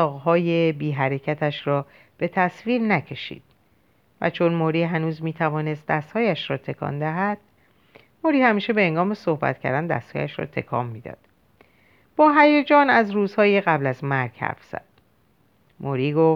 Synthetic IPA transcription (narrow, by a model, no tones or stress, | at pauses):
ɒːɣhɒːjebiːɦæɾe̞cʰæt̪ʰæʃɾɒː | b̥e̞t̪ʰæsviːɾnæcʰe̞ʃḭːd̪̥̚ | væ̰t͡ʃʰonmoɾiːɦænuːzmiːt̪ʰævɒːne̞st̪̚d̪æst̪hɒːjæʃɾɒːt̪ʰe̞kʰɒ̰ːnd̪æɦæd̪̥̚ | moɾiːhæmiːʃebe̞eŋɡɒːme̞so̞hbæ̰t̪̚cʰæ̰ɾd̪ænd̪æ̰st̪hɒ̰ːjæʃɾɒ̰ːt̪ʰe̞̰kʰɒ̰ːmːiːd̪ɒ̰ːd̪̥ | b̥ɒːɦæjed͡ʒɒːnæzɾuːzhɒːjeɣæblæzmæɾɡ̥hæ̰ɾfz̥æ̰d̪̥̚ | mʔoɾiːɡo̞f